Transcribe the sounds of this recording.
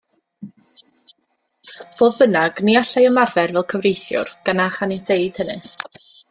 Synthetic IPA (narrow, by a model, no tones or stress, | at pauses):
b̥oːðbənaɡ̥niaɬajɔmarvɛrvɛlˠkʰəvrejθjʊ̰rɡ̥anaχanitʰejd̥hənɨ